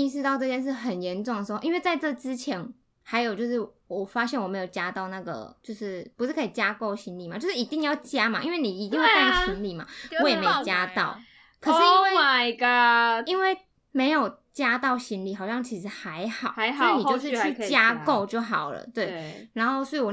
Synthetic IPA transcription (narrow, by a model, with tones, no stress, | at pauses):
i˥˧ʂ̬ɻ̩˥˧t̪ɑ˥˧ʊʈ͡ʂɤ˥˧t͡ɕjɛ˥˧nʂ̬ɻ̩˥˩xə˨˩njɛ˧˦˥nʈ͡ʂʊ˥˩ŋd̪ə˩ʂɻ̩˧˥o̰˥˧i˦nwe˥˧ɪt͡sa˥˧ɪʈ͡ʂɤ˥˩t͡sɻ̩˦t͡ɕʰjɛ˧˦˥n | xa˧˥ɪjo˨ʊt͡ɕjo˥˧ʊʂ̬ɻ̩˥˩ | wɔ˨˩fa˥ɕjɛ˥˩nwɔ˨˩me˧˥jo˨˩ʊt͡ɕja˥t̪ɑ˥˧ʊna˥˩ɡə̰˩t͡ɕjo˥˧ʊʂɻ̩˥˩pu˧ʂɻ̩˥˩kʰɤ˧˥i˨˩t͡ɕja˥ko˥˩ʊɕi˥nli˨˩ma˨˩t͡ɕjo˥˧ʂɻ̩˥˨i˧˦t̪i˥˧ŋjɑ˥˩ʊt͡ɕja˥ma˨ʔḭ˥˦nwe˥˩ni˨˩i˧˥t̪i˥˧ŋwe˥˧˥ɕi˧˥nli˨˩ma̰˨˩wɔ˦jɛ˨˩e˧˥˨t͡ɕja˦t̪ɑ˥˩ʊ | kʰɤ˨˩ʂɻ̩˥i˥nwe˥˧ɡi˦˥nwe˥˩ɪ | me˧˥ɪjo˨˩ʊ | t͡ɕja˥t̪ɑ˥˩ʊɕi˥nli˨˩ɦɑ˨˩ʊɕjɑ˥˩ŋt͡ɕʰi˧˥ʂ̬ɻ̩˧˥xa˧˦ɪxɑ˨˩˦ʊna˩˥˩ni˨t͡ɕo˥˧ʊʂ̬ɻ̩˥˧t͡ɕʰy˥˨t͡ɕja˥ko˥˧ʊt͡ɕjo˥˩ʊxɑ˨˩ʊlə̰˦t̪we˥˩ɪna˧˥nxo˥˩ʊswɔ˧˥i˨wɔ˨˩